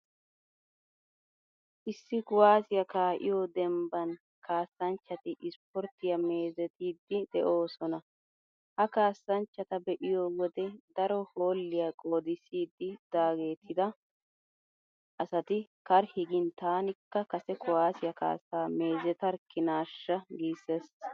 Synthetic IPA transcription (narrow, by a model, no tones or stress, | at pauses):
ʔɪsːɪkʊwaːsɪjɐkaːʔɪ̰jɔd̪ɛmbɐn | kaːsːɐnt͡ʃːɐt̪ɪʔɪspɔɾt̪ɪjɐme̞ːzɛt̪iːd̪ːɪd̪ɛʔo̞ːsɔnɐ | hɐkaːsːɐnt͡ʃːɐt̪ɐbɛʔɪjowɔd̪ɛd̪ɐɾɔho̞ːlːɪjakʼo̞ːd̪ɪsiːd̪ːɪd̪̥aːɡe̞ːt̪ʰːɪd̪ɐ | ʔɐsɐt̪ɪkɐɾhɪɡɪnt̪aːnɪkːɐkɐsɛkʊwaːsɪjɐka̰ːsːaːme̞ːzɛt̪ɐɾkːɪnaːʃːɐɡiːsɛs